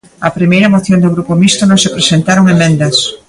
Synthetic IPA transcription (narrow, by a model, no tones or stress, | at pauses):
ɐpɾimejɾɐmoθjõnd̪oɣɾupomist̪onõŋsepɾesent̪aɾoŋemẽnd̪ɐs